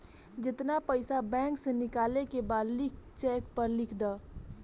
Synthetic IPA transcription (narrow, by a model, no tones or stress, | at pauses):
d͡ʒɪt̪napəɪsabɛ̃ŋksenɪkalekebaːd̪lɪkt͡ʃɛkpəɾlɪkʰd̪a